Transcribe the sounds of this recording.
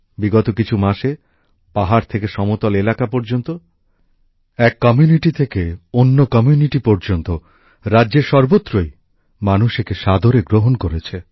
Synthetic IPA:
biɡɔt̪okit͡ɕʰumaʃe | paɦaɾt̪ʰekeʃɔmot̪ɔlelakapɔɾd͡ʑont̪o | ɛkːɔmjuniʈit̪ʰekeonːokɔmjuniʈipɔɾd͡ʑont̪o | ɾadːʑeɾʃɔɾbot̪ːɾoj | manuʃekeʃad̪ʱoɾeɡɾoɦonkoɾet͡ɕʰe

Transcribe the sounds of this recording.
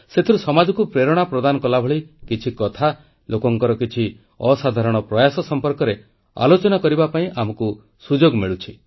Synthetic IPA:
set̪ʰiɾusɔmad͡ʒɔkupɾeɾɔɽ̃apɾɔd̪anɔkɔlabʱɔɭikit͡ʃʰikɔt̪ʰa | lʔokɔŋkɔɾɔkit͡ʃʰi | ɔsad̪ʱaɾɔɽ̃ɔpɾɔjasɔsɔmpɔɾkɔɾe | a̰lot͡ʃɔnakɔɾibapaĩʔamɔku | sud͡ʒoɡmiɭut͡ʃʰi

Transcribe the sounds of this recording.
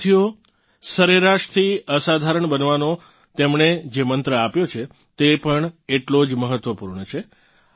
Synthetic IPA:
ijo | səɾeɾaʃt̪ʰiəsad̪ʱaɾəɳbənʋano | t̪emɳed͡ʒemənt̪ɾəapjot͡ʃʰe | t̪epəɳeʈlod͡ʒməɦət̪ːʋəpuɾɳət͡ʃʰe

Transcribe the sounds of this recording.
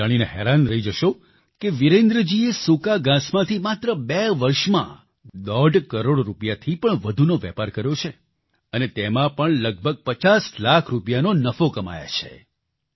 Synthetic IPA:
aɽ̃ineɦɛɾanɾəid͡ʒəʃo | keʋiɾẽnd̪ɾəd͡ʒiesũkaɡãsmãt̪ʰimat̪ɾəbɛʋəɾʃmã̰ | d̪ɔɖkəɾoɽɾupjat̪ʰipəɳʋəd̪ʱunoʋɛ̰paɾkəɾjot͡ʃʰe | ənet̪emãpəɳləɡ̚bʱəɡ̚pət͡ʃaslakʰɾupjanonəfokəma̰ja̰t͡ʃʰḛ

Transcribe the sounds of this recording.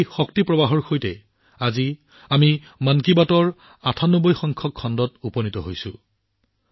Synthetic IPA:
jxɔktipɹɔbaɦɔɹxʰojtɛ | azi | ami | mankibatɔɹ | atʰanɔbɔjxɔŋkʰɔkʰːɔndɔtupɔnitɔɦojsʊ̰̃

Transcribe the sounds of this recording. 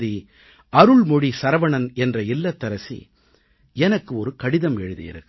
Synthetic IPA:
ði | ɐɾɯɭmɔɽisɐɾɐʋɐɳɐnɛndrɐɪlːɐt̪ːɐɾɐsḭ | ɛnɐkːɯɔɾɯkɐɽɪðɐmɛɻɯðɯ̰jɪ̰ɾɯkː

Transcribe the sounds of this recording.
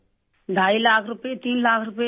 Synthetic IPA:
ɖʱajlaːkʰɾupet̪inlakʰɾupe

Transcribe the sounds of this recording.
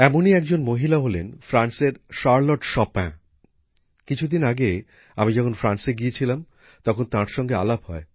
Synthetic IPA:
ɛmoniɛk̚d͡ʑonmoɦilaɦolenfɾanseɾʃaɾloʈʃɔpã | kit͡ɕʰud̪inaɡe | amid͡ʑɔkʰonfɾanseɡiet͡ɕʰilam | t̪ɔkʰont̪ãɾʃɔŋɡea̰labɦɔe

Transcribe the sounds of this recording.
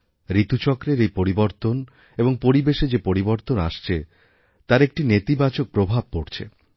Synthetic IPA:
ɾit̪ut͡ɕɔkɾeɾejpoɾiboɾt̪on | eboŋpoɾibeʃed͡ʑepoɾiboɾt̪ona̰ʃt͡ɕʰe | t̪aɾek̚ʈinet̪ibat͡ɕok̚pɾobʱab̚ːoɾt͡ɕʰḛ

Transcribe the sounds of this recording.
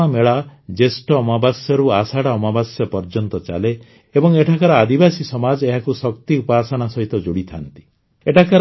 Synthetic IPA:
ameɭad͡ʒesʈɔːmabasjɔɾuasaɽaɔmabasjɔpɔɾd͡ʒɔnt̪ɔt͡ʃa̰le | ebɔŋeʈʰakaɾɔad̪ibasisɔmad͡ʒeɦakusɔk̚t̪iupaːsɔnasɔɦit̪ɔd͡ʒuɽit̪ʰant̪i̥ | eʈʰakaɾ

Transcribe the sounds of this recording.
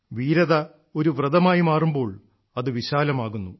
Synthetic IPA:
ʋiːɾɐðɐ | o̞ɾuʋrɐðɐmaːjimaːrumbo̞ːɭ | ɐðɨʋiɕaːlɐmaːɣunːu

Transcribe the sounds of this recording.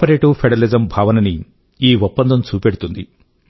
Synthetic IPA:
pɐɾeːʈupʰeɖɐɐlizɐmbʱaːʋɐnɐni | iːɔpːɐnd̪ʱɐmt͡ʃuːpeɽut̪und̪i

